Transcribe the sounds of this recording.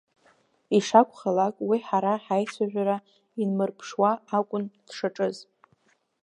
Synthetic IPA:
iʂakʷχalakʼwiħaɾaħajsʷʰaʒᶣaɾa | inmɨrpʰʂwaakʷʼʊnd̥ʂaʈ͡ʂʼɨz

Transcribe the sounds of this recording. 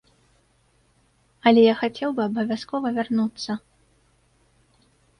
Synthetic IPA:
ɐlʲɛjaxat͡sʲɛwbɨɐbɐvʲaskɔvɐvʲarnut̪sːɐ

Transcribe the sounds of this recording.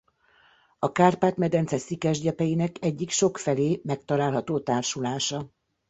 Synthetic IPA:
ɒkaːrpaːt̪mɛd̪ɛnt̪sɛsikɛʒɟɛpɛjinɛkɛɟːikʃo̞kfɛleːmɛk̚t̪ɒlaːlɦɒt̪oːt̪aːrʃulaːʃɒ

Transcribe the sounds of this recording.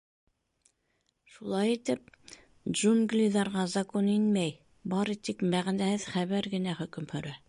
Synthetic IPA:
ʃulˠɑjit̪ɘp̚ | d͡ʒuŋɡlʲiðɑɾʁɑzɑkoninmæj | bɑɾit̪ikmæʁnæhɘðχæβæɾɡɘ̆næχɵ̆kɵmhɵ̆ɾæ

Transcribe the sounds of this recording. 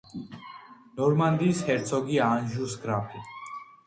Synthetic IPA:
nɔɾmand̪iːshɛɾt̪sʰɔɡianʒusɡɾapʰi

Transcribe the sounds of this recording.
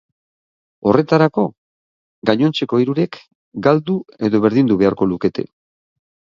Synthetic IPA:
o̞re̞t̪aɾako̞ | ɡaɲo̞nt͡se̞ko̞iɾuɾek | ɡald̪ue̞ðo̞βe̞ɾðind̪uβ̞e̞aɾko̞luke̞t̪e̞̰

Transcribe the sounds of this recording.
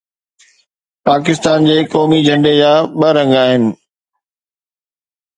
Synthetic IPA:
paːkɪst̪aːnd͡ʑeːkɔːmid͡ʑʱɐ̃ɳɖed͡ʑaːɓɐɾɐ̃ŋɡaːɦɪnɪ̆

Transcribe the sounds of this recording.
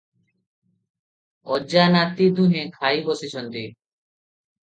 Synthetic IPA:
ɔd͡ʒanat̪id̪ũɦẽkʰaibɔsit͡ʃʰɔnt̪i

